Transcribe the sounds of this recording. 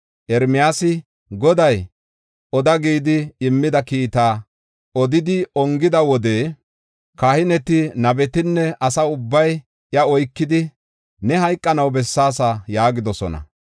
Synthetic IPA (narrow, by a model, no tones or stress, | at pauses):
ʔɛɾmɪjaːsɪ | ɡɔd̪ɐj | ʔɔd̪ɐɡiːd̪ɪɪmːɪd̪ɐkiːt̪aː | ɔd̪ɪd̪ɪɔŋɡɪd̪ɐwɔd̪e̞ː | kɐhɪnɛt̪ɪnɐbɛt̪ɪnːɛʔɐsɐʊbːɐj | jɐɔjkːɪd̪ɪ | nɛɦɐjkʼːɐnɐwbɛsːaːs̬ajaːɡɪd̪ɔsɔ̰nɐ̰